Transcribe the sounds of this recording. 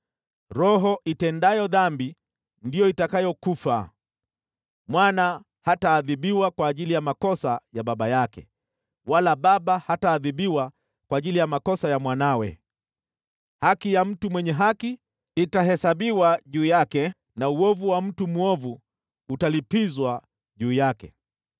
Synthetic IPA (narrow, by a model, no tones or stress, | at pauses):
ɾɔɦɔʔitɛndajɔðambi | ndijɔitakajɔkufa̰ | mwana | hataːðiɓiwakwaːʄilijamakɔsajaɓaɓajakɛ̰ | walaɓaɓahataːðiɓiwa | kwaːʄilijamakɔsajamwanawɛ̰ | hakijam̩tumwɛɲɛɦaki | itaɦɛsaɓiwaʄuːjakɛ | nauɔvuwam̩tumuɔvu | utalipizwa | ʄuːjakɛ̰